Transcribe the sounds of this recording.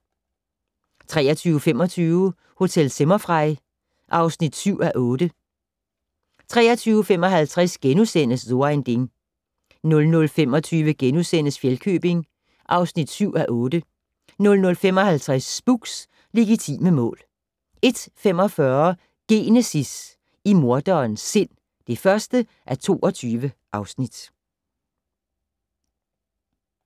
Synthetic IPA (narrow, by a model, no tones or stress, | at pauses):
t͡sʰʁɛ̰ːɐt͡sʰyːʊfemɒ̽t͡sʰyːʊ | ho̝t͡sʰel̰semɐfʁɑ̈ɪ̰ | ʔɑ̈ʊsnid̥syʊ̰æʔɔ̽ːd̥ə | t͡sʰʁɛ̰ːɐt͡sʰyːʊfem̰ɒ̽ɦælt͡sʰʁɛsɡ̥enusen̰əsðo̝end̥e̝ŋ | nɔ̽lnɔ̽lfemɒ̽t͡sʰyːʋəɡ̥enusen̰əsfjelkʰø̰ːb̥e̝ŋ | ʔɑ̈ʊsnid̥syʊ̰æʔɔ̽ːd̥ə | nɔ̽lnɔ̽lfem̰ɒ̽hælt͡sʰʁasːb̥uɡ̥s | le̝ɡit͡sʰḭːməmɔ̰̽ːl | e̝d̥fem̰ɒ̽fɶɐ | ɡ̥e̝ːnesis | imo̝ɐd̥ɒːnsːe̝n̰ | d̥e̝fɶɐsd̥ə | ʔæɐt͡sʰo̝̰ːɒ̽t͡sʰyːʋəʔɑ̈ʊsnid̥